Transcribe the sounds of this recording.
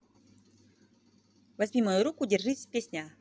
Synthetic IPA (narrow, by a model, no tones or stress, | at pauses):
vɐzʲmʲimɐjʊɾukʊdʲɪrʐɨsʲpʲesʲnʲa